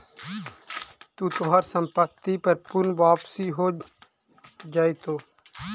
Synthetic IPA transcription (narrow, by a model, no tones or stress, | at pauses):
t̪uːt̪oɦaːɾsə̃mpək̚t̪ipəɾpʊnʋaːpsiɦoː | d͡ʒaːet̪oː